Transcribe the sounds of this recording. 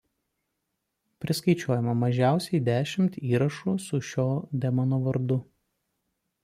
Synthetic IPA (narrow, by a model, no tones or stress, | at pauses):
pʲɾʲɪskɐɪt͡ʃʲoːjɛmɐmɐʒʲæˑʊsʲɛɪd̪ʲæːʃʲɪmʲt̪iːɾɐʃuːsʊʃʲoːd̪ʲɛmɐnoːʋɐɾd̪ʊ